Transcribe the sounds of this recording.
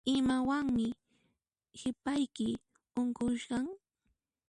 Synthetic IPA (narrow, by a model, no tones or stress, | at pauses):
ɪmawaŋmɪ | hɪpajkɪ | ʊŋkʊʃɢɑŋ